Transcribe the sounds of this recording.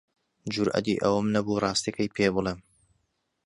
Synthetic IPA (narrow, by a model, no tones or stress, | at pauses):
d͡ʒʊɾʔɐ̰d̪ḭʔɐwəmnɐbuːrˤɑːst̪ikɐjpʰeːbɨlˠeːm